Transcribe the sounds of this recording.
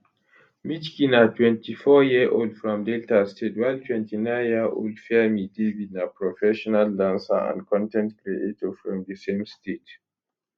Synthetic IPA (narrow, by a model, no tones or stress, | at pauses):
mit͡ʃkinatʰwɛ̃ntʰifɔjiəʔold̥fɹɔ̃mdɛltastʰetwaɪltʰwɛ̃ntʰinãɪnjiʔo̰ldfɛmidividnapɹɔfɛʃɔnaldãnsa̰ã̰nkʰɔ̃ntɛ̃ntkɹietɔfɹɔ̃mðəsẽmstʰet